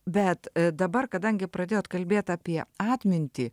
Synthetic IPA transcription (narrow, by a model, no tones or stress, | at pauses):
bʲɛt̪d̪ɐbɐrkɐd̪ɐŋʲɡʲɪpɾɐd̪ʲeːjoːt̪kɐlʲbʲeːt̪ɑːpʲiɛɑːt̪ʲmʲɪnʲt̪ʲiː